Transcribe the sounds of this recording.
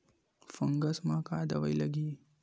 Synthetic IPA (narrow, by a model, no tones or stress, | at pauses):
fɐŋɡɐsmãːkaːd̪ɐʋɐjlɐɡiː